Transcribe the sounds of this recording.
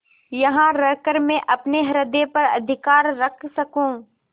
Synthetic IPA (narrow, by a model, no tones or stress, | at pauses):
jɐɦãɾəkəɾmẽʔɐpneɦɐɾəd̪epɐɾɐ̰d̪ʱɪkaːɾːɐkʰsɐkũː